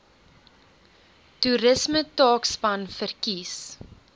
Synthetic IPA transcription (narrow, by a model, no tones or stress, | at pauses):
tuɾəsmətɑːkspɐnfərkis